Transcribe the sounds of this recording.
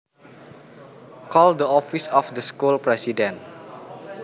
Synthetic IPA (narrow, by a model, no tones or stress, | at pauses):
kɔldəɔfisɔfdəskulpɾɛsidɛ̃n